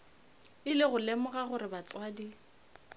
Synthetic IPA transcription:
ɪlɪɣʊlɛmʊɣaχʊɾɪbat͡sʼwadi

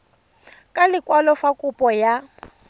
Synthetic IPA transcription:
kʼalɪkʼwalɔfakʼupʼɔja

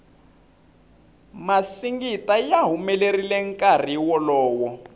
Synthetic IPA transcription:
masiŋɡitajaɦumɛlerilɛŋkʼar̤iwɔlɔːwɔ

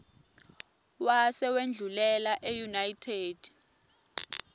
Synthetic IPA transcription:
wasɛwend͡ɮʱulɛlaʔɛjunajtʰeːd̥

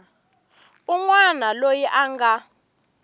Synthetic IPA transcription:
uŋwanalojiʔaŋɡa

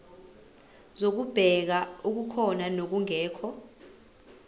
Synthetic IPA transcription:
zok̬ub̥ʱɛk̬auk̬ukʰɔnanok̬uŋɛːkʰɔ

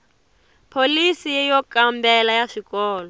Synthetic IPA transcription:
pʰolisijɛjɔkambɛlajaʂikɔːlɔ

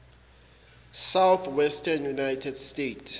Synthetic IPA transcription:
sawθwɛstʰanjunajtʰɛdstetʰ

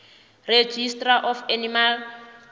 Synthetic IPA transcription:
red͡ʒistʼraʔɔfanimal

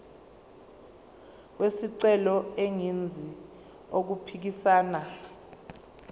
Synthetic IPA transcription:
wesiǀɛlɔeŋind͡zʱi | ok̬upʰik̬isaːna

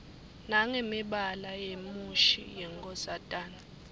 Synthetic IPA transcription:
naŋɛmiɓalajemuʃḭjɛŋɡʼɔzatʼaːna

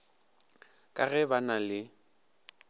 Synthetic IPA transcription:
kʼaɣɛbanalɪ

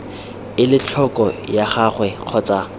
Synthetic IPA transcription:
ɪlɪt͡ɬʰɔkʼɔjaχaχwɛq͡χʰɔːt͡sʼa

